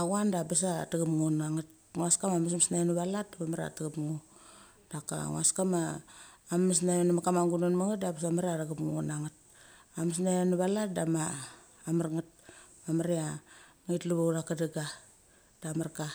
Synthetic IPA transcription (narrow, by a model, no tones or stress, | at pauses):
aɣuandabas̬ataɡamŋunaŋat̚ | ŋuaskamamas̬masnajnuβalat̚damamaɾa̰taɡapŋu | daka̰ŋṵaskamaː | mis̬najenamakamaŋɡunonmaŋat̚dabas̬amaɾeaɾaɡamŋŋunaŋat̚amasnajanuβalatdamaː | maɾŋat̚mamaɾea | itluβawdakadaɡa | d̥amaɾka